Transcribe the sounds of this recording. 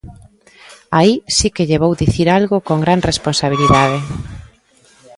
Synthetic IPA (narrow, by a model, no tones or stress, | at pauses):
aisikeʎeβowðiθiɾalɣʊkoŋɡɾanresponsaβ̞iliðaðe